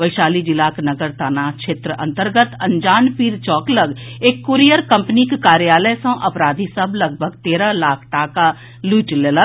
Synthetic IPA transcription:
ʋəɪʃaːlid͡ʒɪlaːknəɡəɾt̪aːnat͡ʃʰeːt̪ɾəʔɐ̰̃nt̪əɾɡət̪ɐ̃ɲd͡ʒaːnpiːɾt͡ʃɔːkləɡeːkːuɾijəɾkɐ̃mpnikkaːɾjaːləjsə̃ʔɐpɾaːd̪ʱisəblɐɡ̚bʱəɡt̪eːɾãlaːkʰʈaːka | luːʈlelə

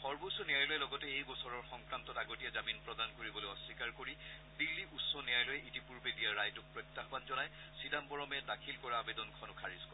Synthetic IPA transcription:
xɔɹbosɔnijajlojɛlɔɡɔtɛejbɔsɔɹɔɹxɔŋkɹantɔtaɡotijɛzaminpɹɔdankoɹibɔlojɔsːikaɹkoɹibilːiʔusɔnijajlɔjɛʔitipuɹbedijaɹajtʊk̚pɹɔjktːaxɔbanzɔnaj | sidambɔɹɔmɛdakʰilkɔɹaːbedɔnkʰɔnʊkʰaɹiskɔ

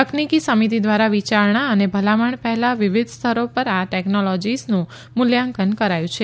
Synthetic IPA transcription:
əknikisəmit̪id̪ʋaɾaʋit͡ʃaɾɳaənebʱəlaməɳpɛɦɛlaʋiʋid̪ʱst̪ʰəɾopəɾaʈɛknolɔd͡ʒisnũ | mʊljãŋkənkəɾajũt͡ʃʰe

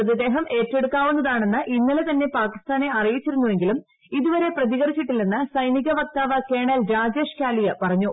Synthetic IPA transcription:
ɐðɐd̪e̞ːɦɐme̞ːtːe̞ɽukːaːʋunːɐðaːɳe̞nːɨʔinːɐlet̪ɐnːe̞paːkist̪aːne̞ɐrijit͡ɕːiɾunːuʋe̞ŋɡilum | iðuʋɐɾe̞prɐðiɣɐrit͡ɕːiʈːilːenːɨsɐjniɣɐʋɐk̚t̪aːʋɐkeːɳɐlɾaːd͡ʑe̞ːʂkaːlijɐpɐrɐɲːu

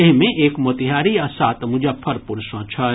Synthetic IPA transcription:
eɦmẽʔeːkmot̪ɪɦaːɾiasaːt̪mʊd͡ʒapʰɐɾpʊɾsãːt͡ʃʰa

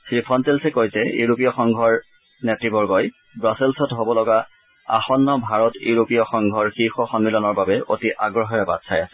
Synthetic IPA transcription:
sɹipʰɔntelsɛkojsɛjṵɹopijɔxɔŋɡʱɔɹ | nɛtɹibɔɹɡɔj | bɹasilsɔtɦobɔlɔɡa | a̰xɔnːɔbʱaɹɔtjṵɹopijɔxɔŋɡʱɔɹxixɔxɔnmilɔnɔɹbabɛʔo̰tiʔaɡɹɔɦɔjɛba̰tsʰajasɛ̥

